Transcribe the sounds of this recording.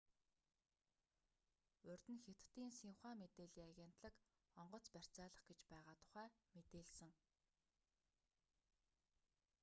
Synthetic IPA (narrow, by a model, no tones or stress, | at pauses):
ɵrʲt̪ɘ̆nxet̪ːiːnsiŋχæːmet̪eːɮiːaɣʲen̥t̪ɮə̆k | ɔɴɢɞ̆t͡spær̥ʲt͡saːɮə̆χɡet͡ɕpæːʁaːt̪ʰʊ̥χæːmet̪eːɮsɘ̆ŋ